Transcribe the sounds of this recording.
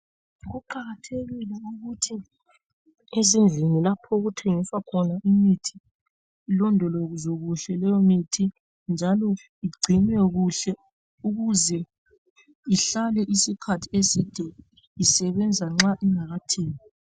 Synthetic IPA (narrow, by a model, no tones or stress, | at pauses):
ɣuǃaɣatʰeɣilɛuɣutʰi | ezind͡ɮʱinilapʰɔuɣutʰeŋiswakʰɔnaʔimitʰi̥ː | lɔndʱɔloɣzoɣuɬɛlɛjomitʰi | nd͡ʒʱalɔ | iɡ͡ǀʱinɛɣuɬɛ | uɣuzɛ | iɬalɛʔisikʰatʰiesid̥ʱɛ | isɛβɛnd͡zʱaŋ͡ǁaʔiŋaɣatʰeːŋi